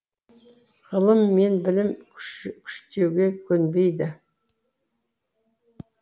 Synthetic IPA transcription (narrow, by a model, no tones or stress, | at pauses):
ʁəlˠəmːe̞nbɪlɪmkʲʰʏ̥ʃt̪ewɡʲe̞kʲʰɵnbe̞jd̪ɪ